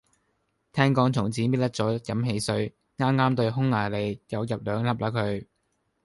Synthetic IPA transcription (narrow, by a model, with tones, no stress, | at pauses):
t̪ʰɛː˥ŋkɔː˨˧˥ŋt͡sʰʊ˨˩ŋt͡siː˨˥miː˥t̚lɐ˥t͡sɔː˨˥jɐ˨˥mɦe˨˧jsɵ˨˧ɥ | ŋaː˥mŋaː˥mt̪ɵ˧ɥɦʊ˥ŋlaː˨˩jle˨˧jjɐ˨˧wjɐ˨p̚lœː˨˧ŋlɐ˨˥p̚laː˨˥kʰɵ˨˧ɥ